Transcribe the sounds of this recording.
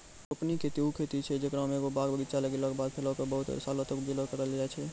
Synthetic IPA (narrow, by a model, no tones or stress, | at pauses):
ɾopnikʰet̪iukʰet̪it͡ʃʰɛd͡ʒekɾameɡobaɡbəɡit̪t͡ʃalekeləkbad̪̚pʰeləkebəɦut̪ɾsalət̪əkbeləkəɾəld͡ʒaɛt͡ʃʰɛ